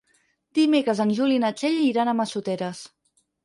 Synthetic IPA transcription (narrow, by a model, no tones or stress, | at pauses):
d̪̥imekɾəzənʲʒulinət͡ʃeʎiɾanəməsut̪ɛɾəs